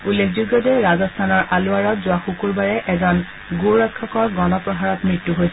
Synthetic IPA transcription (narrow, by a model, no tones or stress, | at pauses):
ulːekʰzuɡɔdɛɹazɔstʰanɔɹʔalʊaɹɔtzʊaxukuɹbaɹɛʔɛzɔn | ɡuɹɔkʰːɔkɔɹɡɔnɔpɹɔɦaɹɔtmɹitːuɦojsɛ